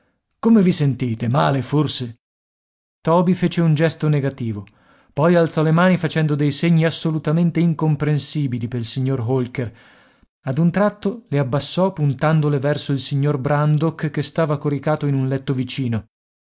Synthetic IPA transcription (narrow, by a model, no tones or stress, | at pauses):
komevisent̪iːt̪emaːleforse | t̪ɔːbifeːt͡ʃeund͡ʒɛst̪oneɡat̪iːvo | pɔjalt̪sɔlemaːnifat͡ʃɛnd̪od̪ejseɲːiasːolut̪ament̪eiŋkompɾensiːbilipeilsiɲːorɦolker | ad̪unt̪ɾat̪ːoleabːasːɔpunt̪and̪olevɛrsoilsiɲːorbɾand̪okkːest̪aːvakoɾikaːt̪oinunlɛt̪ːovit͡ʃiːno